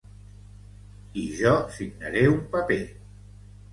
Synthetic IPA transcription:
iʒɔsiɡna̰ɾeumpape

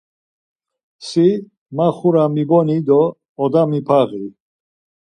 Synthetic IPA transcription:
si | maχuɾamibɔnid̪ɔː | d̪amipʰaɣi

